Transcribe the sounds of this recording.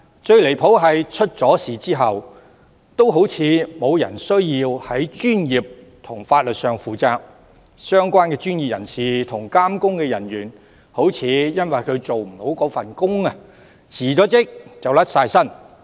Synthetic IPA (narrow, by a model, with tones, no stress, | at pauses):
t͡ʃɵ˧ɥle˨˩jpʰo˨˥wɦɐ˨jt͡ʃʰɵ˥t̚t͡sɔː˨˥siː˨t͡siː˥ɦɐ˨w | t̪o˥wɦo˨˥wt͡sʰiː˨˧mo˨˧wjɐ˨˩nsɵ˥ɥjiː˧whɐ˨˥jt͡ʃyː˥njiː˨p̚ | t̪ʰʊ˨˩ŋfaː˧t̚lɵ˨t̚sœː˨ŋfuː˨˧t͡saː˧k̚ | sœː˥ŋkʷaː˥nkɛː˧t͡ʃyː˥nji˨p̚jɐ̰˨˩nsiː˨t̪ʰʊ˨˩ŋkaː˥mkʊ˥ŋkɛː˧jɐ˨˩nɥyː˨˩n | ho˨˥wt͡sʰiː˨˧jɐ˥nwɐ˨jkʰɵ˨˧ɥt͡so˨wm̩˨˩ho˨˥wkɔː˨˥fɐ˨nkʊ˥ŋɐ˧ | t͡sʰiː˨˩t͡ʃɔː˨˥t͡sɪ˥k̚t͡sɐ˨wlɐ˥t̚saː˧jsɐ˥n